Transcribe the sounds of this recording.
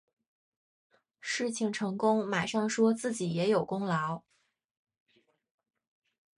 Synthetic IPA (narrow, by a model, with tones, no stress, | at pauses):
ʂɻ̩˥˩t͡ɕʰi˧˩ŋʈ͡ʂʰɤ˧˥ŋkʊ˥ŋma˨˩ɪʂɑ˥˩ŋʂwɔ˥t͡sɹ̩˥˩t͡ɕi˨˩jɛ˧˥jo˨˩ʊkʊ˥ŋlɑ˧˥ʊ